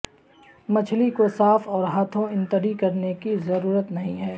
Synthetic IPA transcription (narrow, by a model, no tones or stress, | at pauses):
mɐt͡ʃʰlikosaːfɔːɾɦaːt̪ʰõɪ̃nt̪əɾikɐɾnekizɐɾuːɾət̪nɐɦĩɦɛː